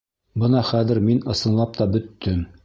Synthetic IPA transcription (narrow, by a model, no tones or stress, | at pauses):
bɤnɑχæðɘɾminɤ̆sɤ̆nlˠɑp̚t̪ɑbɵ̆t̪ːɵm